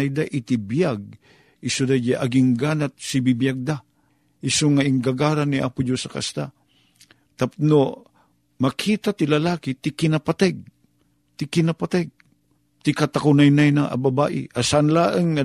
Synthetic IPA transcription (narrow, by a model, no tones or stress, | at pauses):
ajd̪aʔɪt̪ɪbijaɡ̚ | ɪsod̪ad͡ʒaʔaɡɪŋɡanat̪̚sibibijaɡ̚d̪a | ʔɪsoŋaɪŋɡaɡaːɾanːiʔa̰pʊd͡ʒosɐka̰st̪a | t̪apno | makʰiːt̪at̪ɪlalaːkɪt̪ɪkɪnapat̪aɡ̚ | t̪ɪkɪnapat̪aɡ̚ | t̪ɪkat̪akʊnajnajnaʔa̰babaːʔɪ̰ʔasaʔanlaːʔəŋːa